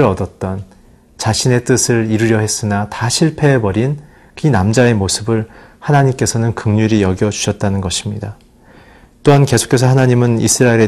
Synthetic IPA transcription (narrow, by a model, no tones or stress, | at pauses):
ɾʌdʌt̚t͈ʌn | t͡ɕaɕʰine̞t͈ɯsʰɯɾiɾɯɾjʌɦe̞s͈ɯnataɕʰiɭpʰe̞bʌɾin | kɯnamd͡ʑae̞mosʰɯbɯɭhanaɲimk͈e̞sʰʌnɯnkɯŋɲuɾijʌɡjʌd͡ʑu̥ɕʰʌt̚t͈anɯnɡʌɕʰimɲida | t͈oɦanke̞sʰo̥kʰesʰʌhanaɲimɯnḭsʰɯɾaeɾe